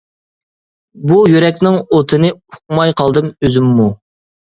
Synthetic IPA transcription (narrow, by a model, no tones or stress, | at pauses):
bujyɾɛkʲnɪŋot̪ʰɨnɨʊ̥q̚mɑjqʰɑlˠd̪ɨmøzymːu